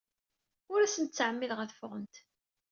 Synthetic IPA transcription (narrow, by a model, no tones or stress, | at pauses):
ʊɾæsənt̪t͡sːəʕəmːilʁæθfʊʁənt̪